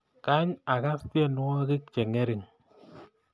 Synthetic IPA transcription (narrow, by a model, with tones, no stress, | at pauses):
ka˦ɲa˨ka˦ste˦nu˦ɔ˦ki˦k̚t͡ʃe˨ŋe˦ɾi˨ŋ